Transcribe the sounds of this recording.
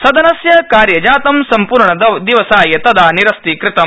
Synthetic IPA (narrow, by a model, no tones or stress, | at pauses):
sɐd̪ʱɐnɐsjɐkaːɾjɐd͡ʒaːt̪ɐmsɐmpuːɾɳɐd̪ɐd̪iʋɐsaːjɐt̪ɐd̪aːniɾɐst̪ikɾɪt̪ɐm